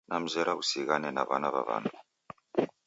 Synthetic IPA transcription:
nam̩zɛɾausiɣanɛnaβanaβaβa̰ːndʰu

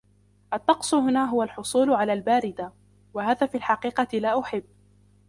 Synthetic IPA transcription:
ʔɑt̪ːɑqsˤʊɦʊnaːɦʊwalħʊsˤuːlʊʕalaːlbaːɾɪd̪a | wahaːðaːfiːalħɑqiːqɑlaːʔʊħɪbː

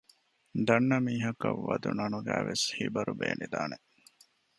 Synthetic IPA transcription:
d̪ɐnːɐmiːɦɐkɐʋːɐd̪unɐnuɡæːʋeshibɐɾubeːnʔid̪aːne

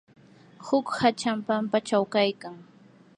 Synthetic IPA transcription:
hʊkhat͡ʃampampat͡ʃawkajkaŋ

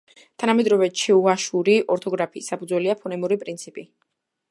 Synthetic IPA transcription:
t̪ʰanamɛd̪ɾɔvɛt͡ʃʰɛuaʃuɾiʔɔɾt̪ʰɔɡɾapʰiːsːapʰud̪zwɛliapʰɔnɛmuɾipʼɾint̪sʰipʼi

